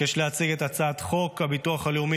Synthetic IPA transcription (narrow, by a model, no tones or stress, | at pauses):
eʃleat͡siɡet̪at͡sat̪χo̞khabituaχaliumi